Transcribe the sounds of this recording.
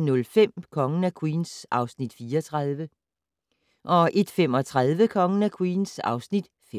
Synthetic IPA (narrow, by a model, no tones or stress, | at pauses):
nɔ̽lfem̰kʰɒ̽ŋənækʰwiːnsʔɑ̈ʊsnid̥fiːɐɒt͡sʰʁaðˠʋə | ʔɒ̽ʔe̝d̥fem̰ɒ̽t͡sʰʁað̞ˠʋəkʰɒ̽ŋənækʰwiːnsɑ̈ʊsnid̥f